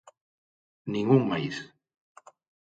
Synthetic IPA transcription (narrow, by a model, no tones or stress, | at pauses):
nĩŋuŋmajθ